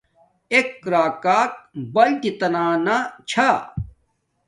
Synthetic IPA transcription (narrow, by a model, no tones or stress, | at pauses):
ekːɾaːkaːk̚bɐlt̪it̪ɐnaːnat͡ɕʰa